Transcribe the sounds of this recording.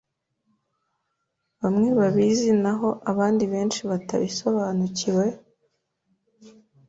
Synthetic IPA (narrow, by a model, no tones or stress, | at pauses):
βamŋe̞βaβizinaɦo̞ʔaβaːndiβe̞ːnʃiβata̰βiso̞βaːnuciwe̞